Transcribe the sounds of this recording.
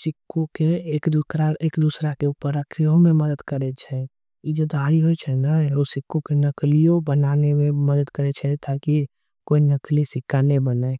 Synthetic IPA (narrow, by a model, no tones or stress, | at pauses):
sɪkːõkeːkd̪uɾaeːkd̪usɾakeupəɾəkʰɾijõmẽməd̪əd̪kəɾet͡ʃʰɛ | id͡ʒod̪ʱaːɾiɦoit͡ʃʰɛnaosɪkːõkenəklijõbənaːnemẽməd̪əd̪kəɾet͡ʃʰɛt̪ʰaki | koːinəklisɪkaːnebəna